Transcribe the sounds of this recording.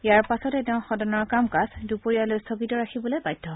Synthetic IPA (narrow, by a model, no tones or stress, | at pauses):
jaɹpasɔtɛtɛʊ̃xɔdɔnɔɹkamkasdupoɹijalojstʰoɡitɔɹakʰibɔlojbajdʰʱːɔɦɔ